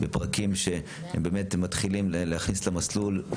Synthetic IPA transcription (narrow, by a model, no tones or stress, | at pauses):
bepʁakimʃe | hembeːmetmatχilimlleaχnislamaslul